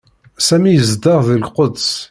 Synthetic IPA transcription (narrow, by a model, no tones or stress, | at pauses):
sæmijəzd̪ɑʁðilqod̪s